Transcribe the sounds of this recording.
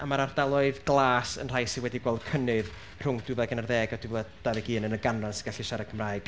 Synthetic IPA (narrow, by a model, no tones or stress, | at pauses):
amaɾardalˠɔɨðɡlˠaːsə̰nr̥ajsiwɛdiɡwɛlˠd̥kʰənɨð | r̥ʊŋd̥ɨvɛɡənərðɛːɡadɪvlad̥aðɛɡiːnənəɡanransiɡaɬiʃaɾɛkʰəmraːɨɡ̥